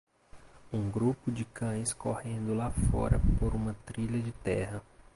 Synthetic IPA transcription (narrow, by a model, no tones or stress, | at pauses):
ũɡɾupʊd͡ʒɪkɐ̃j̃skohẽnd̪ʊlafɔ̰ɾɐ̰poɾũmɐt̪ɾiʎɐd͡ʒɪt̪ɛɦɐ